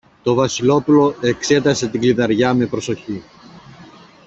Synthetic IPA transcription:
t̪o̞vɐsilo̞pulo̞e̞kse̞t̪ɐse̞t̪iɡliðɐɾʝɐme̞pɾo̞so̞çi

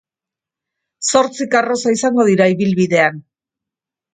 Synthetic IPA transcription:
so̞ɾt͡sikaro̞saisaŋɡo̞ðiɾaiβilβiðe̞an

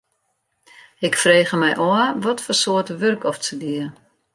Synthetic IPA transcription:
ɪkfreːɣəmɛjʔoəʋɔtfɔrsoətəʋørkɔft͡sədiə

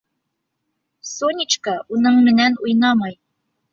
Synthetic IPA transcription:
sonʲit͡ɕkɑunɤɴmɘ̆nænujnɑmɑj

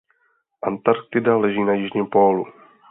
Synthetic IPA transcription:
ʔant̪aɾk̚t̪ɪdalɛʒiːnajɪʒɲiːmpoːlṵ

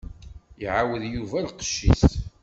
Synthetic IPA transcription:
iʕawəðjuvælqə̥ʃːḭst̪

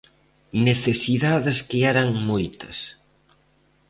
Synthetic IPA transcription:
neθesiðaðɪskeɛɾɐŋmojt̪ɐs

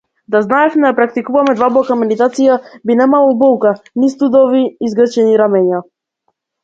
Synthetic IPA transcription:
d̪aznaɛfnɛjapɾak̚t̪ikuvamɛd̪vablˠɔkamɛd̪it̪at̪sijabinɛmalˠɔubɔlˠkanist̪ud̪ɔviːzɡr̩t͡ʃɛniɾamɛɲa

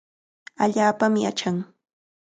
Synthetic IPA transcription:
aʎaːpamɪa̰t͡ʃaŋ

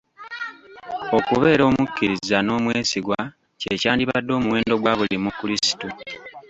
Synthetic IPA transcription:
o̞kuβe̞ːɾo̞ːmukʰːiɾizano̞ːmweːsiɡwa | cecaːndiβadːo̞ːmuwe̞ːndo̞ɡwaβulimukuɾisi̥tu

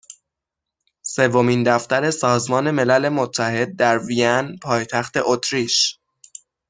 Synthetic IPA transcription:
se̞vːo̞miːnd̪æft̪æɾe̞sɒːzmɒːne̞me̞læle̞mo̞t̪ʰːæhe̞d̪̚ːæɾvijænpʰɒːjt̪ʰæxt̪e̞ʔot̪ʰɾiʃ

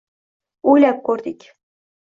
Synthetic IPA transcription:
ojlʲæp̚koɾd̪ikʲ

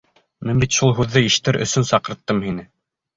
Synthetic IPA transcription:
mɘnbit̪ʃulˠɦʉðːɘiʃt̪ɘɾʔɵ̰̆sɵnsɑqɤ̆ɾt̪ːɤmhinɘ

